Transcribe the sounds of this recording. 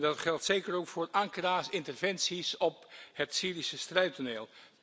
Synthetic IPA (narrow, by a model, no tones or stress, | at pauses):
dɑtχɛlˠtsejkəɾowkfʊːɹɑŋkəraːsɪntərvɛnsisɔphətsiːɾisəstrɛɥtoneːlˠ